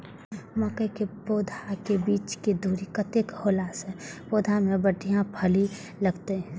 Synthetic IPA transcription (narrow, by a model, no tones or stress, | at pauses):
məkəkepoːd̪ʱakebiːt͡ʃked̪ʱuːɾikət̪ekholaːsɦɛ̃boːd̪ʱamẽbəʈijãpʰəli | ləɡt̪eɦɛ̃